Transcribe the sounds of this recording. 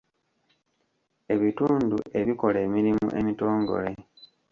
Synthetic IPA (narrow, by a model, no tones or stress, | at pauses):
e̞βituːndṵʔe̞βiko̞le̞ːmiɾimṵʔe̞mito̞ːŋɡo̞̰le̞